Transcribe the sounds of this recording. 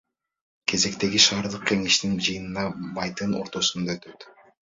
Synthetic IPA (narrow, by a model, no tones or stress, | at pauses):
kʰe̞ze̞kt̪e̞ɡiʃɑːɾd̪ɯq̚kʲe̞ŋe̞ʃt̪ind͡ʒɯjɯnɯnɑmɑjt̪ɯno̞̰ɾt̪o̞sund̪ɑøt̪ø̞t̪